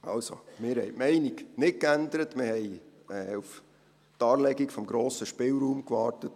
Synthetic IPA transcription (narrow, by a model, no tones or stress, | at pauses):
ɑ̰lso̰mɪːɾhɛ̰ɪmɛɪniɡnɪt̚kændəɾətmɪɾhɛɪ | ɛːuf | tɑːɾlɛɡikfɔmɡɾoːsəʃpɪlɾuːmkʋɑːrtət